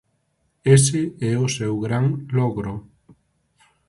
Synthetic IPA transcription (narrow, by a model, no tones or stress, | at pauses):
es̬eɛosewɣɾaŋlɔɣɾo